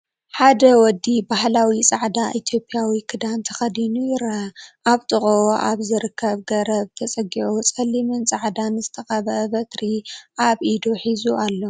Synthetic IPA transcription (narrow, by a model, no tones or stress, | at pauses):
ħad̪ɐwɔd̪ːibahlawit͡sʼaʕd̪aʔit̪ʰjo̞pʼiawikʰɨd̪ant̪ʰɐxɐd̪inujɪɾɐʔaβt̪ʼɨχʼoʔaβzɨɾɨkʰːɐβɡɐɾɐβt̪ʰɐt͡sʼɐɡiʕot͡sʼɐlːimɨnt͡sʼaʕd̪anzɨt̪ʰɐxɐβɐʔɐbɐt̪ɾiʔaβʔid̪oħizuʔalːo̞